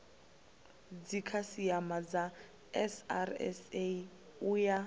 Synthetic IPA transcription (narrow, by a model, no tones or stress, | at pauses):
d͡zikʰasiamad͡za | ɛsa̰rɛ̰se | uja